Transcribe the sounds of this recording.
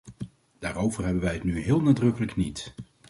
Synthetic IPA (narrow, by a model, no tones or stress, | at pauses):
d̥aːrowvərɦɛbənʋɛjɦətnyɦɪːlˠnaːdrɵkələknit